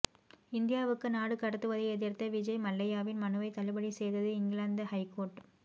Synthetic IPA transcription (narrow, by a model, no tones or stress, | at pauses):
ɪnd̪ɪjaːʋɯkːɯnaːɽɯkːɐɽɐt̪ːɯʋɐðɐɪɛðɪɾt̪ːɐʋɪd͡ʒɐɪmɐlːɐjaːʋɪnmɐnɯʋɐɪt̪ɐlɐbɐɽisɛjðɐðɯɪŋɡɪɭaːnd̪ɐhɐɪkoːɾʈ